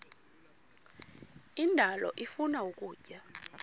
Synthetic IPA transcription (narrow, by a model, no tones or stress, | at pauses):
indʱalɔ̰ʔifunaukʼuːcʼa